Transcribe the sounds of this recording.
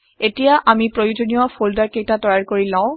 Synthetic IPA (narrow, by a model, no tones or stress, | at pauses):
etijaʔamipɹojud͡ʒonijɔpʰoldaɹkejtatɔjaɹkoɹilãʊ̃